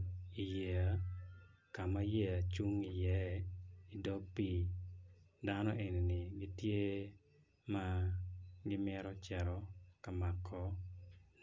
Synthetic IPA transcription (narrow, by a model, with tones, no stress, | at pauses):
i˨je˨a˨ | ka˨ma˦je˦a˨t͡ʃu˦ŋi˨jɛ˦i˨dɔ˦pi˦ | danɔ˦ʔe˨ni˨nɪ˨ɡɪ˦tje˦ | ma˦ | ɡɪ˦mjɛ˦ɾɔ˦t͡ʃɛ˨ɾɔ˨ka˨ma˨kʰːɔ˦